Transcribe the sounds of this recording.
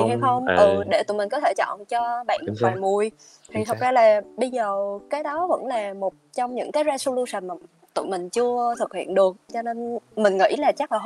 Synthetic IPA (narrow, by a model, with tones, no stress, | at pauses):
i˨˩ha˧jxə˧wŋ͡mʔɨ˨˩ɗe˧˩t̪ṵ˧˨mï˨˩kɔ˨˦t̪ʰe˧˩t͡ɕɔ̰˧˨nt͡ɕɔ˧ɓa̰ː˧˨nfaː˨˩nmu˨˩əj | t̪ʰi˨˩t̪ʰə˨˩t̚zaː˧laː˨˩ɓə˧jzəː˨˩kaː˨˦jɗɔ˨˦və̰˧˥nlaː˨˩mo˨˩t̚t͡ɕɔ˧wŋ͡mɲɨ̰˧˥ŋkaː˨˦jza˧so˧lu˧sə˨˩mː˨˩ | t̪ṵ˧˨mï˨˩ŋ̟t͡ɕɨ˧ət̪ʰɨ˨˩k̚hḭ˧˨ənɗɨ˨˩ək̚t͡ɕɔ˧ne˧nmï˨˩ŋ̟ŋḭ˧˥jlaː˨˩t͡ɕa˦˥laː˨˩ɦ